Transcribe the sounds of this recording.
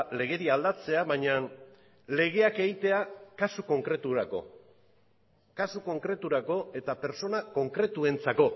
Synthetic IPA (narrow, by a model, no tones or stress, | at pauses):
le̞ɣ̞e̞ɾiald̪at͡se̞aβajɲan | le̞ɣ̞e̞ake̞ɣit̪e̞akasuko̞ŋkɾe̞t̪uɾako̞̰ | kasuko̞ŋkɾe̞t̪uɾako̞e̞t̪ape̞ɾso̞nako̞ŋkɾe̞t̪ue̞nt͡sako̞